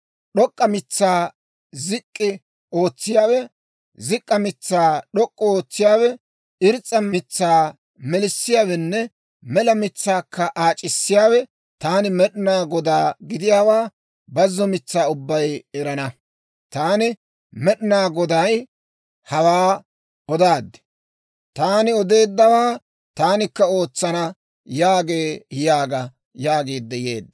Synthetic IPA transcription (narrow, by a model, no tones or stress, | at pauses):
ɗɔkʼːɐmɪt͡sːaː | zɪkʼːɪ | o̞ːt͡sːɪjaːwɛ | zɪkʼːɐmɪt͡sːaːɗɔkʼːɔoːt͡sːɪjaːwɛ | ɪɾt͡sʼːɐmɪt͡sːaː | mɛlɪsːɪjaːwɛnːɛ | mɛlɐmɪt͡sːaːkʰːɐʔaːt͡ʃʼːɪsːɪjaːwɛ | t̪aːnɪmɛɗɪnaːɡɔd̪aːɡɪd̪ɪjaːwaː | bɐzːɔmɪt͡sːaːʊbːɐjɛɾɐnɐ | t̪aːnɪ | mɛɗnaːɡɔd̪aj | hɐwaː | ɔd̪aːd̪ːɛ̥ | t̪aːnɪɔd̪e̞ːd̪ːɐwaː | t̪aːnɪkːɐo̞ːt͡sːɐnɐ | jaːɡe̞ːɪjaːɡɐ | jaːɡiːd̪ːɛjḛːd̪ːɐ